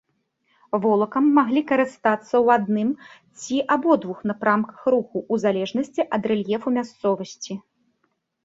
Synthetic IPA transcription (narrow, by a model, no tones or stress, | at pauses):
vɔlˠɐkɐmːaɣlʲikɐɾɨst̪at̪sːɐwad̪nɨm | t͡sʲiʔabɔd̪vuxnɐpɾamkɐ̥xɾuxuʔːzalʲɛʐnɐsʲt͡sʲiʔɐd̪rɛlʲjɛfumʲast̪sɔvɐsʲt͡sʲi